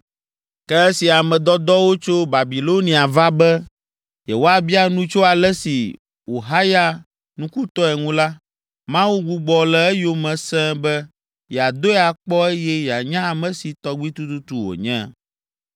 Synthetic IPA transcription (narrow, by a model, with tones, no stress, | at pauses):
kɛ˦ɛ˦si˨a˨mɛ̃˨d̪ɔ˦d̪ɔ˦wo˦t͡ʃo˦ba˨bi˨lo˦nĩ˨a˨va˦bɛ˦ | jɛ̰˨wo˦a˦bi˦a˨nũ˦t͡ʃo˦a˨lɛ˦si˨ | o˨ɦa˦ja˦ | nũ˦ku˦t̪ɔ˦ɛ˨ŋũ˦la˦ | mã˦wu˦ɡu˦ɡ͡bɔ˨lɛ˦ɛ˦jo˦mɛ̃˨sɛ̃˦bɛ˦ | jɛ˨a˨d̪o˦ɛ˦˨a˨k͡pɔ˦ɛ˦jɛ˦jɛ˨a˨ɲã˦a˨mɛ̃˨si˨t̪ɔ˦ɡ͡bi˦t̪u˦t̪u˦t̪u˨wo̰˨ɲɛ̰̃˦